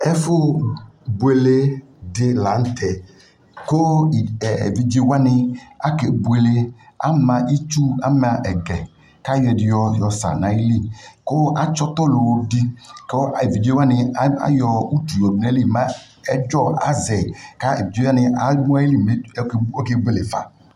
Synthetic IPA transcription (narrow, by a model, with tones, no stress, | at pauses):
ɛ˦fʊ˦ | bu˨e˨le˦ | dɪ˦la˨˦n̩˦tʰɛ˨ | ko̰˦˨ | vi˨d͡ʒe˦wa˦nɪ˧a˦ke˨bu˨e˨le˦a̰˦mã˨ʔi˦t͡ʃu˦a̰˦ma˨ʔɛ˨ɡɛ˨ | ka˦jɔ˨dɪ˨jɔ˨jɔ˨sa̰˨na˨i˦li˦ko˦a˦t͡ʃɔ˦t̪ɔ˦lo˨wo˧di˦ko˦˨e˨vi˨d͡ʒe˦wa˦nɪ˧˦a̰˦jɔ˧u˦tu˨jɔ˨du˨na˨˦li˦˨ma˦ | ɛ˦d͡ʒɔ˦˨a̰˦zɛ˨ka˦ḛ˨i˨d͡ʒa˦nɪ˧a˨˦mɔ˦li˦˨me˦ko˦ke˦bu˦e˨le˨fa̰˨